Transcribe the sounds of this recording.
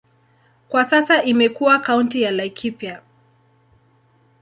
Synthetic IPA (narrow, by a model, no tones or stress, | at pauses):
kwasasaʔimɛkuwakauntijalajkʰipja